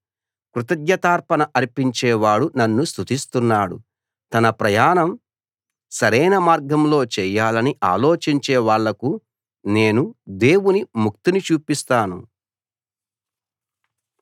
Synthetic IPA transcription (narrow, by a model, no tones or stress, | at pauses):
kɾut̪ɐd̪jɐt̪aːɾpɐnɐʔɐɾipiɲt͡ʃɛːʋaːɽunɐnːust̪ut̪ist̪unːaːɽṵ | t̪ɐnɐpɾɐjaːnɐm | sɐɾɛjnɐmaːɾɡɐmlo̞ːt͡ʃɛːjaːlɐniʔa̰ːlo̞ːt͡ʃiɲt͡ʃɛːʋaːɭːɐku | ne̞ːnud̪e̞ːwunimuk̚t̪init͡ʃuːpist̪aːnṵ